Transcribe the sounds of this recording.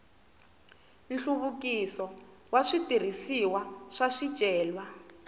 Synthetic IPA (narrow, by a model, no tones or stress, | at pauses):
nɬuβukisɔ | waʂitir̤isiwaʂaʂid̥ʒ̥ʱʼɛːlwa